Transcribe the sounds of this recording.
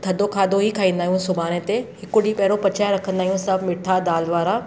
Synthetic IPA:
t̪ʰɐd̪okʰaːd̪oɦikʰaːĩːn̆d̪aːɦijũsʊbaːñet̪ehɪkʊɽipɛɦɾopɐt͡ɕʰaːɾɐkʰə̃nd̪aːiũsɐbmɪʈʰad̪aːlʋaːɾa

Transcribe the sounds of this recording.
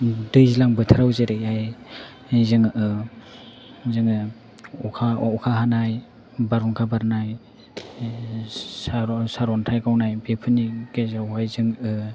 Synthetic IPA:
dɯjzilaŋbɯtʰaɾawzeɾeaj | zɯŋɯ | zɯŋɯ | ɔkʰaɔkʰaɦanaj | baɾɔnkʰabaɾnaj | sasaɾɔntʰajkawnajbepʰɯniɡezawhajzɯŋɯ

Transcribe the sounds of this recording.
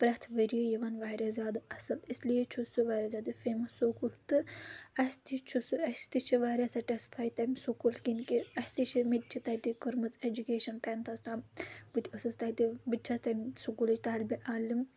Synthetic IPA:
pɾɐt̪ʰʋɐɾijojɐʋɐnʋaːɾɐzʲjaːd̪ɨɐsɐlislijet͡ʃʰusuʋaːɾɐzʲjaːd̪ifeːmɐsːoːkult̪ɨɐsʲt̪it͡ʃʰusɨɐst̪it͡ʃʰiʋaːɾʲɐsɐʈɐspʰaːjt̪ɐmʲsokulkinkiɐsʲt̪it͡ʃʰimit̪̚t͡ʃʰit̪ɐt̪ikɨɾmɨt͡sed͡ʒukeːʃɐnpɛːnt̪ʰɐst̪aːmbɨt̪ʰʲɐsɨst̪ɐt̪ibɨt̪̚ʲt͡ʃʰɐst̪ɐmʲsukulɐt͡ʃʰt̪aːlʲbiʔaːlim

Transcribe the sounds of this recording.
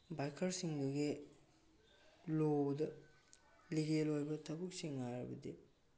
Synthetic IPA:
bajkʰɐɾsiŋduɡe | lodɐ | liɡelojbɐtʰɐbuk̚siŋːaɾɐbɐdi

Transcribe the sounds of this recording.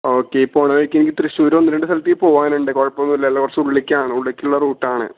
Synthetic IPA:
oːkːeipːoːɳɐʋɐɻikʲːenikʲːɨt̪ɾɨɕuːɾonːɐɾeɳɖɨsɐlɐt̪ːijpo̞ːʋaːnuɳɖɨkoɻpːɐmːilːɐlːɐkɐrɐsɐuɭikʲːaːɳɨuɭikʲːiuɭːɐruːʈːaːɳɨ̰

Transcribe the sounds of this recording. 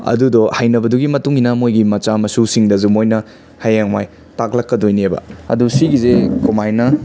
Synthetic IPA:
ɐ̰dudɔhajnɐbɐduɡimɐtuŋinɐmojɡimɐt͡ʃamɐsusiŋdɐzumojnɐ | hɐjaŋma̰j | taklɐkːɐdojniebɐ̰ɐ̰dusiɡizekomajnɐ

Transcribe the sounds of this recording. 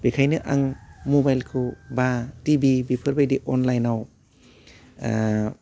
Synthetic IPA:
bekʰajnɯʔa̰ŋmobajlkʰɯbatibibipʰɯɾbajdiʔɔnlajnaw

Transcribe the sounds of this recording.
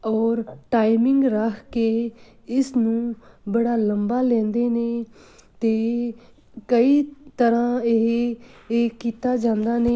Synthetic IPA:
ɔːɾʈaːimɪŋɡɾəkʰkeː | ɪsnũːbəɽaːləmbaːlɛ̃ːnd̪eːneː | t̪eː | kəiːt̪əɾãːeɦː | kiːt̪aːd͡ʒãːnd̪aːneː

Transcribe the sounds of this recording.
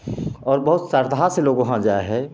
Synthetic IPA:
ɔːɾbɐɦʊt̪səɾd̪ʱaseloːɡʋɐɦãd͡ʒaːeɦɛː

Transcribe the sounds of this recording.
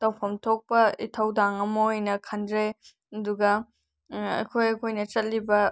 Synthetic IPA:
tɐwpʰɐmtʰok̚pɐitʰɐwdaŋɐmɐojnɐkʰɐndɾe | ɐduɡɐ | ɐ̰jkʰojɐkʰojnɐt͡ʃɐt̚libɐ

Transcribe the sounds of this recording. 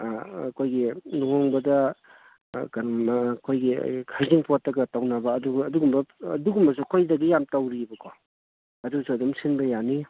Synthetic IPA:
kʰojɡioŋbɐdɐ | kaɾɔmkʰojɡḭkʰajziŋpʰotːɐɡɐtawnabɐːduɡɐduɡumbɐduɡumbɐs̬ukʰojdɐɡijamtawɾibɐkʰo | ɐduɡsuɐdumsinbɐjani

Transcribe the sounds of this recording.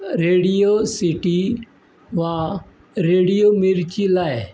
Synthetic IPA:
ɾeːɽijoːsiʈi | ʋã | ɾeːɽijoːmiɾt͡ʃiːlaːe

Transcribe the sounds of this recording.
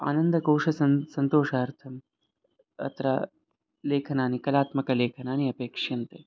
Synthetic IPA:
a̰ːnɐnd̪ɐkoːʂɐsɐsɐnt̪oːʂɐɐɾt̪ʰɐm | ɐ̰t̪ɾa̰ | leːkʰɐnaːnikɐlaːt̪mɐkɐleːkʰɐnaːniɐpeːkʂɐnt̪e

